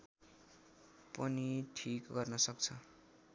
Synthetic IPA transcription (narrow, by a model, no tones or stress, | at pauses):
pʌniʈʰikɡʌrnʌsʌk̚t͡sʰʌ